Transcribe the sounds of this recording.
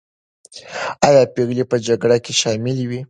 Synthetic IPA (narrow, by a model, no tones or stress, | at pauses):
ɑjɑpeɣlipəd͡ʒaɡɽakeʃɑmɪlwi